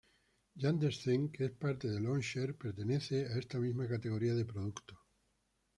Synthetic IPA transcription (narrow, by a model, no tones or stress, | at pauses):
jand̪esθeŋkeespaɾt̪eðe̞lonʃeɾpe̞ɾt̪e̞ne̞θe̞ae̞st̪amizmakat̪e̞ɣ̞o̞ɾiaðe̞pɾoð̞ukt̪o